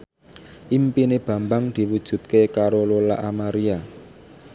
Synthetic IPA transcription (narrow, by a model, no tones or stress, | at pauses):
ʔimpineb̥ä̤mbaŋd̪̥i̤wud̥ʒ̥ṳt̪̚kekaɾolola̰ʔamaɾia